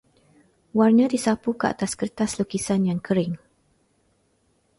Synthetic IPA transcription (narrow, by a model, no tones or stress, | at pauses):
warnə̃disapukəa̰t̪askərt̪aslukisanjaŋkʰəɾɪŋ